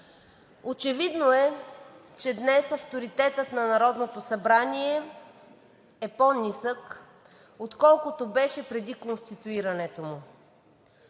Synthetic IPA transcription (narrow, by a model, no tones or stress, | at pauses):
ot͡ʃɛvid̪noɛ | t͡ʃɛd̪nɛsɐft̪oɾit̪ɛt̪ət̪nɐnɐɾɔd̪not̪osɐbɾaniɛ | ɛponisək | ot̪kɔlˠkʊt̪obɛʃɛpɾɛd̪ikonst̪it̪uiɾɐnɛt̪omʊ